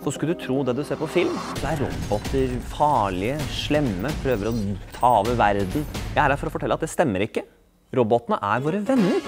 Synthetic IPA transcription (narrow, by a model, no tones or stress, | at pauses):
ɔskʉld̪ʉt̪ʰɾuːd̪ɛd̪ʉseːɾpʰɔfɪlmdɔæɾɾɔ̰bɔt̪ːəɾfɑːɭɪəʂɭɛmːəpʰɾøːʋəɾɔt̪ʰɑːoːʋəʋæɾd̪n̩jæɪæɖæfɔɾɔfɔʈʰɛlːəɑt̪̚d̪ɛst̪ɛmːəɾɪkːə | ɾɔbɔt̪ːənəʔæɾʋoːɾəʋɛnːəɾ